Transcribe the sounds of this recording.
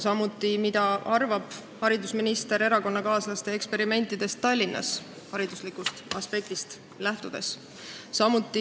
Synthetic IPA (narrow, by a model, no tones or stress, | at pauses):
sɑmut̪ːˑimid̪̥ɑʔɑrvɑb̥ | hɑɾid̪usminist̪e̞ɾe̞ɾɑko̞nːɑkɑːslɑst̪e̞ekspe̞ɾime̞nt̪ːˑid̪e̞st̪ːɑlʲːinːɑ̰s | hɑɾid̪̥uslikust̪ɑspe̞k̚t̪ist̪ | læht̪ud̪̥e̞s | sɑmut̪ːˑi